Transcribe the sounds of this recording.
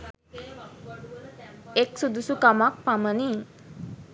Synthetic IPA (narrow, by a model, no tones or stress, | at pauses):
eksud̪usukamak̚paməni